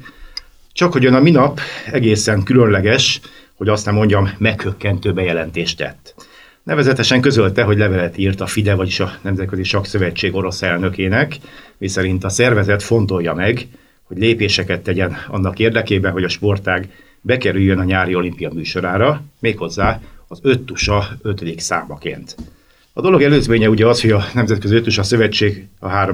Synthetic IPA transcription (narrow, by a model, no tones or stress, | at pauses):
t͡ʃɒkho̞ɟønɒminɒpɛɡeːsɛŋkylønlɛɡɛʃ | ho̞ɟɒst̪nɛmːo̞ɲɟɒmːɛkhøkːɛnt̪øːbɛjɛlɛnt̪eːʃt̪ɛ̰t̪ː | nɛvɛzɛt̪ɛʃɛŋkø̞zø̞lt̪ɛɦo̞ɟlɛvɛlɛt̪iːrt̪ɒfid̪ɛvɒɟiʃɒnɛmzɛt̪kø̞ziʃɒksø̞vɛt͡ʃːeːɡo̞ɾo̞sɛlnø̞keːnɛkmisɛɾint̪ɒsɛrvɛzɛt̪fo̞n̪t̪o̞jːɒmɛɡ | ho̞ɟleːpeːʃɛkɛt̪ːɛɟɛnɒ̰nːɒkeːrd̪ɛkeːbɛnɦo̞ɟɒʃpo̞rt̪aːɡ | bɛkɛɾyjːønɒɲaːɾio̞limpijɒmyːʃo̞ɾaːɾɒmeːkho̞zːaːɒzøt̪ːuʃɒøt̪ød̪iksa̰ːmɒkḛːnt̪ | ɒd̪o̞lo̞ɡɛløːzmeːɲɛuɟɛɒsho̞ɟɒnɛmzɛt̪kø̞ziøt̪ːuʃɒsø̞vɛt͡ʃːeːɡɒɦaːɾo